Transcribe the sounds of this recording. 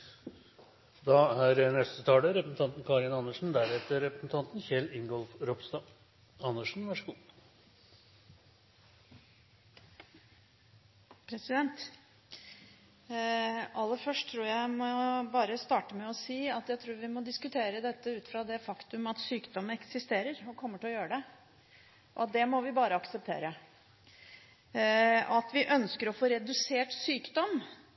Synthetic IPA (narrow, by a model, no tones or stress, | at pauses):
d̪ɑːæɾnɛst̪ət̪ʰɑːləɾɛpɾəsn̩t̪ʰɑnt̪n̩kʰɑːɾɪnɑnːəʂn̩d̪æɾɛt̪əɾɾɛpɾəsn̩t̪ʰɑnt̪nçɛlɪŋɡɔlfɾɔpst̪ɑː | ɑnːəʂn̩ʋæʂəɡuː | pʰɾɛsɪd̪ɛnt̪ | ɑlːəfœʂʈʰːɾuːɾjæɪmɔbɑːɾəst̪ɑːʈəmɛɔsiːɑt̪jæɪt̪ʰɾuːɾʋɪmɔd̪ɪskʉt̪ʰeːɾəd̪ɛt̪ːəʉːt̪fɾɑd̪ɛfɑkt̪ʉmɑt̪syːkd̪ɔmːəɛksɪst̪eːɾəɾɔkʰɔmːəʈɪlɔjøːɾəɖɛ | ʔɔ̰ɑt̪̚d̪ɛmɔʋɪbɑːɾəɑksəp̚t̪ʰḛːɾə | ɑt̪ʋɪʔœnskəɾɔfoːɾɛd̪ʉseːʈsyːkd̪ɔm